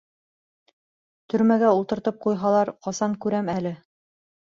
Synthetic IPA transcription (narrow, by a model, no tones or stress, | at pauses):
t̪ɵ̆ɾmæɡæulˠt̪ɤ̆ɾt̪ɤp̚qujɦɑlˠɑɾqɑsɑŋkʉɾæmælɘ